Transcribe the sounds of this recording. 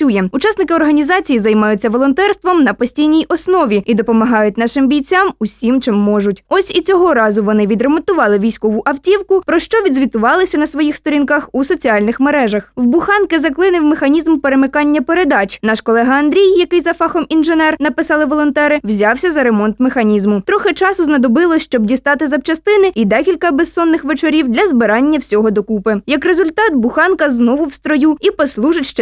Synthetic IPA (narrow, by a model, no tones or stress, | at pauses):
ujɛʊt͡ʃɑsnɪkɪɔrɦɐnʲizɑt͡sʲijizɐjmɑjʊt͡sʲːɐʋɔlˠɔnt̪ɛrst̪ʋɔmnɐpɔsʲtʲijnʲijɔsnɔʋʲiid̪ɔpɔmɐɦɑjʊt̚ʲnɑʃɪmbʲijt͡sʲamʊsʲimt͡ʃɪmːɔʒʊtʲɔsʲit͡sʲɔɦɔɾɑzʊʋɔnɪʋʲid̪ɾemɔnt̪ʊʋɑlˠɪʋʲijsʲkɔʋʊʔɐwtʲiwkʊpɾɔʃt͡ʃɔʋʲid̪zʲʋʲit̪ʊʋɑlˠɪsʲɐnɐsʋɔjixst̪ɔɾʲinkɑxusɔt͡sʲiɑlʲnɪxmeɾɛʒɐxwbʊxɑnkɪzɐklˠɪnɪwmɪxɐnʲizmpeɾemɪkɑnʲːɐpeɾed̪ɑt͡ʃnɑʃkɔlˠɛɦɐɐnd̪ɾʲijjɐkɪjzɐfɑxɔminʒenɛrnɐpɪsɑlˠɪʋɔlˠɔnt̪ɛɾɪwzʲɑwsʲɐzɐɾemɔnt̪mexɐnʲizmʊt̪ɾɔxɪt͡ʃɑsʊznɐd̪ɔbɪlˠɔsʲʃt͡ʃɔbdʲist̪ɑt̪ɪzɐwt͡ʃɐst̪ɪnɪid̪ɛkʲilʲkɐbesːɔnːɪxʋet͡ʃɔɾʲiwd̪lʲɐzbɪɾɑnʲːɐwsʲɔɦɔd̪ɔkupɪjɐkrezʊlʲt̪ɑt̪bʊxɑnkɐznɔʋʊwst̪ɾɔjuipɔslˠuʒɪtʲʃt͡ʃɛ